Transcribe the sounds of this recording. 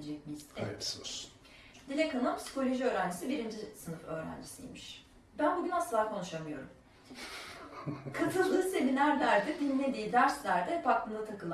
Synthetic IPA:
d͡ʒɛc̚miz̥eɛ | d̪ilʲɛkʰanˠɯmpsi̥kʰo̞lʲo̞ʒiø̞ːɾænd͡ʒisibiɾind͡ʒisɯnɯføːɾæ̰nd͡ʒisijmiʃ | bænbuɡʲynasɯlˠaːkʰo̞nuʃamɯjo̞̰ɾum | kʰat̪ʰɯlˠd̪ɯːse̞minæɾlʲæɾd̪ɛb̪innːʲed̪iːd̪æɾslʲæɾd̪ɛpʰak̚lɯnˠat̪ʰakɯlˠa

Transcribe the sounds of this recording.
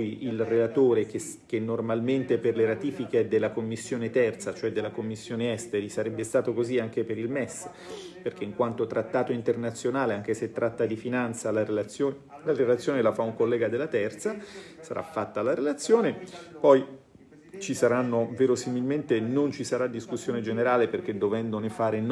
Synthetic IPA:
jilrelat̪oːɾek̟es | kenːormalment̪eperleɾat̪iːfiked̪elːakomːisːjoːnet̪ɛrt̪sat͡ʃoɛd̪ːelːakomːisːjoːneɛst̪eɾisaɾɛbːest̪aːt̪okoziaŋkepeɾilmɛsː | perk̟eiŋkwant̪ot̪ɾat̪ːaːt̪oint̪ernat̪sːjonaːleaŋk̟eset̪ːɾat̪ːad̪ifinant̪salaɾelat̪sjoːn | laɾelat̪sjoːnelafauŋkolːɛːɡad̪elːat̪ɛrt̪sasa̰ɾʔa̰fːat̪ːalaɾelat̪sːjoːnepɔj | t͡ʃisaɾanːoveːɾosimilment̪enont͡ʃisaɾad̪ːiskusːjoːned͡ʒeneɾaːleperk̟ed̪ovɛnd̪onefaːɾen

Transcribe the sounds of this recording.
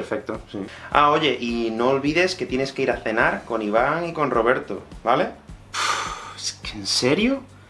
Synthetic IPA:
eɾfek̚t̪osia̰o̞ʝe̞ʔino̞ːlβiðe̞ske̞t̪jene̞skeiɾaθe̞naɾko̞niβ̞aŋiko̞nro̞β̞e̞ɾt̪o̰βale̞ | eskenseɾjo

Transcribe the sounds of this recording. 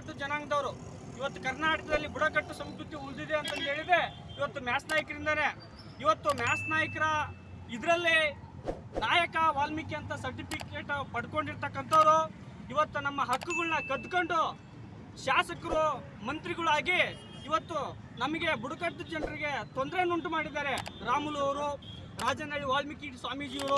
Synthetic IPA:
ɐʈːud͡ʒɐnaːŋɡɐd̪ɐʋɐɾu | iʋɐt̪ːukɐɾnaːʈɐkɐd̪ɐlːibuɽɐkɐʈːusɐmskɾut̪iund̪id̪eɐnt̪ɐnd̪ɦe̞ːɭid̪e̞ | iʋɐt̪ːumjaːsnaːjɐkɐɾind̪ɐne̞ː | iʋɐt̪ːumjaːsnaːjɐkɐɾɐ | id̪ɐɾɐlːi | naːjɐkɐʋaːlmikːeɐnt̪ɐsɐɾʈipʰikeːʈupɐɽkoɳɖiɾt̪ɐkːɐnt̪ʰɐʋɐɾu | iʋɐt̪ːunɐmːɐɦɐkːuɡɐɭnɐkɐd̪koɳɖu | ʃaːsɐkɐɾu | mɐnt̪ɾiɡɐɭaːɡi | iʋɐt̪ːu | nɐmɐɡe̞buɽukɐɾt̪ɐd͡ʒɛɳɖɐɾiɡe̞t̪o̞nd̪ɐɾenuɳʈumaːɽid̪aːɾe̞ɾaːmulɐʋɐɾu | ɾaːd͡ʒɐnɐɭːiʋaːlmikiswaːmiːd͡ʒiːʋɐɾu

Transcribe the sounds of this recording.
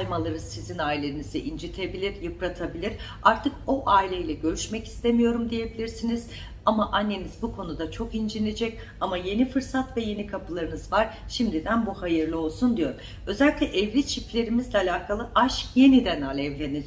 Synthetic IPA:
jmalˠaɾɯzsizinaːilʲe̞ɾiniz̥iʔind͡ʒit̪ʰe̞bilʲiɾjɯpɾat̪ʰabilʲiɾ̥ | aɾt̪ʰɯko̞ʔaːilʲejilʲɛɟø̞ɾyʃmɛci̥st̪ʰe̞mijo̞ɾumd̪ije̞bilʲiɾsiniz̥ | amaʔanːe̞nizbukʰo̞nud̪at͡ʃʰo̞kind͡ʒinʲed͡ʒɛc | amaje̞nifɯɾsat̪vɛje̞nikʰapʰɯlˠaɾɯnɯzvaɾ̥ʃimd̪id̪ænbuhajɯɾlˠɯo̞lˠsund̪ijo̞ɾum | ø̞zɛlʲiclʲɛʔɛvlʲit͡ʃʰiplʲe̞ɾimizlʲɛalʲaːkʰalˠɯʔaʃje̞nid̪ænalʲɛvlʲeni

